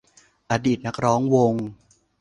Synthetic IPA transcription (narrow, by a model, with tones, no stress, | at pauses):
ʔaː˧diː˨˩t̪̚na˦˥k̚ɾɔː˦˥ŋwo˧ŋ